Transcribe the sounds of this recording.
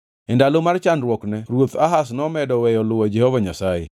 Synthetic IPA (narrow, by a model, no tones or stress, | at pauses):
ɛndalomart͡ʃanɾwɔknɛɾwot̪aɦasnɔmɛdɔwɛjɔlʊwad͡ʒɛhovaɲasajḛ